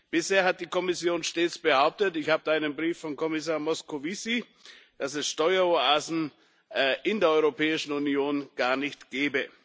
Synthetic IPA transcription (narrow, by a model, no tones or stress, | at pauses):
b̥ɪsheːɐɦat̚d̥iːkɔmɪsjoːnʃteːt͡sb̥əhaʊp̚tətɪçhaːbəaɪnənbʁiːfːɔnkʰɔmɪs̬aːɐmɔskʰovisi | d̥asɛsʃtɔʏɐoaːzn̩ | ʔɪndeːɐʔɔʏʁopʰɛːɪʃn̩unjoːnɡ̥aːɐnɪçtɡ̥ɛːbə